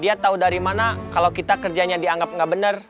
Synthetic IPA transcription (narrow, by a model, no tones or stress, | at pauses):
diat̪audaɾimanakalawkit̪akərd͡ʒaɲadiaŋɡap̚ŋɡaʔbənər